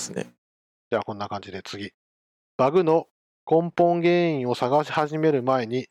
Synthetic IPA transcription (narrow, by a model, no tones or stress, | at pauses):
sɨnḛ | d͡ʑaːkõ̞nːakãɲ̟d͡ʑid̪e̞t͡sɨɡʲi | b̥aɡɯ̟no̞ | kõ̞mpõ̞ŋɡẽ̞ːĩɰ̃o̞saɡaɕi̥haʑime̞ɾɯ̟mae̞ɲ̟i